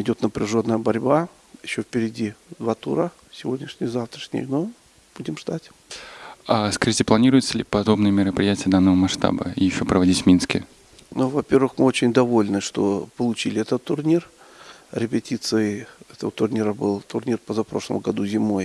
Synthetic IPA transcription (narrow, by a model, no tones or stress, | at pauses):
ɪdʲo̞t̪nəpɾʲɪʐo̞nːəjəbɐɾʲba | jɪɕːofpʲɪɾʲɪdʲid̪vat̪ṵɾə | sʲɪvo̞dʲnʲɪʂnʲɪjzaft̪ɾəʂnʲɪ̰jno | b̥udʲɪmʐd̪atʲ | askɐitʲɪplˠɐnʲiɾʊjɪt̪səlʲɪpɐd̪o̞bnɨjəmʲɪɾəpɾʲɪjætʲɪjəd̪anːəvəmɐʂt̪a̰bə̰jɪɕːopɾəvɐdʲitʲvmʲinskʲɪ̰ | nuvɐpʲe̞rvɨxmɨo̞t͡ɕɪnʲd̪ɐvo̞lʲnɨʂt̪o̞̰pəlˠʊt͡ɕilʲɪɛt̪ət̪ːʊrnʲir | ɾʲɪpʲɪtʲit̪sɨjəɛt̪əvət̪ʊrnʲiɾəbɨlˠt̪ʊrnʲirpəzapɾo̞ʂlˠə̰mɡɐd̪uzʲɪmo̞j